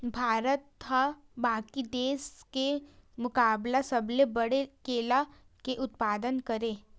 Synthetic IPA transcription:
bʱaːɾət̪ɦa | baːkid̪eːskemʊkaːblasɐblebɐɽekeːla | keʔʊt̪̚paːd̪ənkɐɾeː

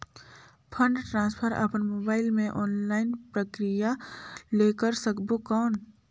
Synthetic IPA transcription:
pʰə̃ɳɖʈɾãːnspʰəɾɐ̰pnmoːbaːɪlmẽʔɔːnlaːɪnpɾəkɾijaleːkəɾsəkbokɔːn

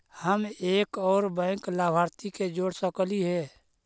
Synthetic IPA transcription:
həmeːkɔːɾbɛ̃ːŋklaːbʱaːɾt̪iked͡ʒoːɽsəkəliɦɛː

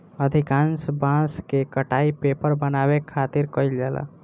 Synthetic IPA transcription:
əd̪ʱikãnsbãskekəʈaipepəɾbənabekʰat̪iɾkəjld͡ʒala̰

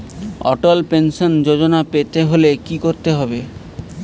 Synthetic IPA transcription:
ɔ̰ʈolpenʃond͡ʑod͡ʑonapet̪eɦolekikoɾt̪eɦɔbe

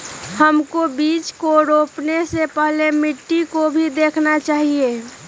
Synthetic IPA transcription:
həmkobiːt͡ʃkoɾoːpnesepəɦlemɪʈːikobʱid̪eːkʰnat͡ʃaːɦieː

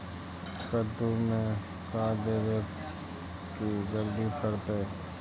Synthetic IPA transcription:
kəd̪umẽ | kaːd̪eːɾek | kid͡ʒəld̪ipʰəɾt̪eː

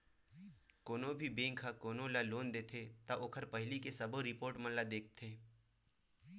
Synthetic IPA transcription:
koːnõbʱibẽːŋkʰakoːnõlaloːnd̪eːt̪ʰet̪aʔoːkʰəɾpɐɦɪlikesɐboɾɪpoːɾʈmə̃nlad̪eːk̚ʰt̪ʰeː

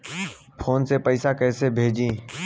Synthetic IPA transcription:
pʰoːnsepəɪsakɛːsebʱeːd͡ʒĩː

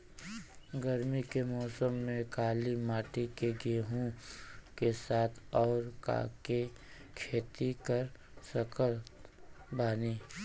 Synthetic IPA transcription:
ɡəɾmikemɔːsəmːẽkaːlimaːʈikeɡeːɦũkesaːt̪ʰɔːɾka̰ːke | kʰeːt̪ikəɾ | səkəɾt̪ | baːniː

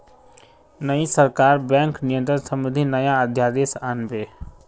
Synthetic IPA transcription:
nəisɐɾkaːɾbɛ̃ːŋknɪjə̃nt̪ɾənsə̃mʊd̪ʱinɐjaəd̪ʱjaːd̪eːsaːnbeː

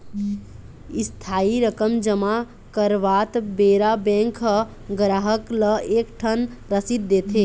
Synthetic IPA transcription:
ist̪ʰaiɾəkəmd͡ʒəma | kəɾʋat̪beɾabɛ̃ŋkʰ | ɡɾaɦəkləekʈʰənɾəsit̪̚d̪et̪ʰe

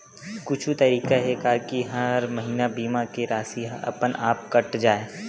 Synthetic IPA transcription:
kʊt͡ʃʰut̪ɐɾiːkaɦɛkakiɦɐɾmɐɦiːnabiːmakeɾaːsiɐ̰pənaːp̚kɐʈd͡ʒaːe

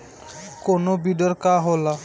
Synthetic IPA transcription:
konobiɖɔɾkaɦola

